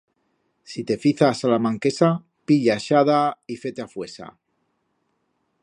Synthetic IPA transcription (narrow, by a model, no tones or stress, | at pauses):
sit̪e̞fiθasalamãŋke̞sa | piʎaʃaðaife̞t̪eafwesa̰